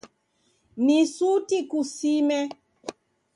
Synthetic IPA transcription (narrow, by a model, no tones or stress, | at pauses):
nisutikusimɛ